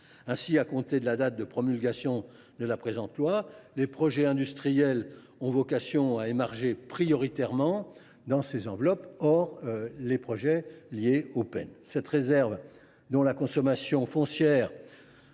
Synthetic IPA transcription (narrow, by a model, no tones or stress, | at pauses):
ɛ̃siakɔ̃t̪ed̪əlad̪at̪̚d̪əpχɔmylɡʲasjɔ̃ | d̪əlapχezɑ̃t̪lwalepχɔʒɛɛ̃d̪yst̪χijɛl | ɔ̃vɔkasjɔ̃aemɛʁʒepχijɔʁit̪ɛʁmɑ̃ | d̪ɑ̃sezɑ̃vlɔpɔʁlepχɔʒɛljeopɛ̰nsɛt̪ʁezɛʁv | d̪ɔ̃lakɔ̃sɔmasjɔ̃fɔ̃sjɛːʁ